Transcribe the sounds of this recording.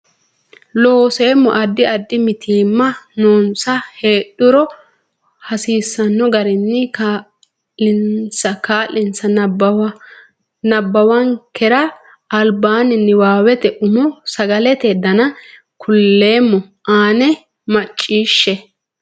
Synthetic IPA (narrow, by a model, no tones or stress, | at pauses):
loːse̞ːmːɔ̰ʔɐd̪ːɪɐd̪ːɪmɪt̪ʰiːmːɐnoːnsɐheːɗʊɾɔ | hɐsiːsːɐnːɔɡɐɾɪnːɪka | lɪnsɐkaːlːɪnsɐ | nɐbːɐwɐŋkɛɾɐː | lbaːnɪnːɪwaːwɛt̪ɛʔʊmɔsɐɡɐlɛt̪ɛd̪ɐnɐ | kʰʊlːe̞ːmːɔ | ʔaːnɛ | mɐt͡ʃʼːiːʃːɛ